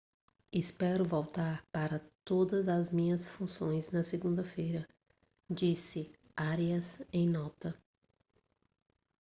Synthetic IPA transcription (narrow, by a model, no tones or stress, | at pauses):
ispɛɾʊvowt̪aɾpaɾɐt̪od̪ɐzɐzmĩɲɐsfũsõj̃znɐseɡũnd̪ɐfejɾɐ | d͡ʒisɪ | aɾiɐsẽj̃nɔt̪ɐ